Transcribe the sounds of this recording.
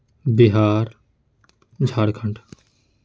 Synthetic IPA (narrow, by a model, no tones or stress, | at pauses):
biɦaːɾ | d͡ʒʱaːɽkʰəɳʈ